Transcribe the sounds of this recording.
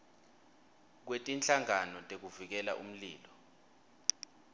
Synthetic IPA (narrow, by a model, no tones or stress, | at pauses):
k̬wetʼint͡ɬʼaŋanɔtʼek̬uvik̬ɛla̰ʔṵm̩liːlɔ